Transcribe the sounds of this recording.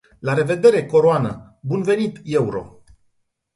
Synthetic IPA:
laɾe̞ve̞d̪e̞ɾe̞ko̞ɾoanə | bunve̞nit̪je̞uɾo̞̰

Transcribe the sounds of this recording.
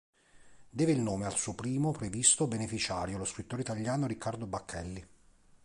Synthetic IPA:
d̪ɛːveilnoːmealsuopɾiːmopɾevist̪obenefit͡ʃaːɾjoloskɾit̪ːoːɾeit̪aʎːaːnoɾikːard̪obakʰːɛlːi

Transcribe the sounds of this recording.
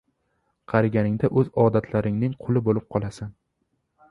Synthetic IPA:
qʰɑɾaɡʲanɪŋd̪aʔɵzɒd̪at̪ʰlaɾɪŋnɪŋqʰʊlˠɪbolɪp̚qʰɒlˠasan

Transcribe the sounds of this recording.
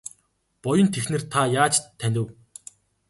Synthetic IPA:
pɔjə̆nt̪ʰexnɘ̆rt̪ʰajaːt͡ɕ̪ʰːænʲt̪ɘ̆w

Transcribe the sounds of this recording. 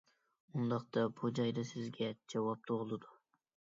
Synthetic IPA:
und̪ɑqt̪ɑbud͡ʒɑjd̪ɨsɪzɡʲɛd͡ʒɑwɑp̚t̪ʰoʁʊlˠɨd̪u

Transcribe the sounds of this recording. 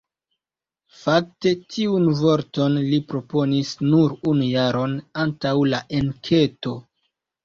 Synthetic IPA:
fak̚te̞tʰiunvo̞ɾto̞nlipɾo̞po̞nisnuɾunujaɾo̞nantawlaʔe̞nkʰe̞to̞

